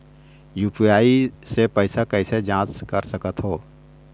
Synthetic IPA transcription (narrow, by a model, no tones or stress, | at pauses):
juːpijaːisepəɪsakəɪsed͡ʒãːt͡ʃkəɾsəkət̪ɦoː